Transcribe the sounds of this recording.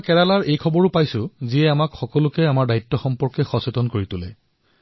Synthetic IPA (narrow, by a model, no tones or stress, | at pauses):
kɛɹalaɹʔejkʰɔbɔɹʊpajsʊziɛamakxɔkɔlʊkɛamaɹdaitːɔxɔmpɔɹkɛxɔsetɔnkoɹitʊlɛ̰